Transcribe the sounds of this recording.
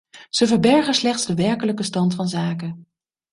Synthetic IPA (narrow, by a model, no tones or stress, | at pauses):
z̥əvəɹbɛɹχənslɛχtszdəʋɛɹkələkəstɑntfɑnzaːkə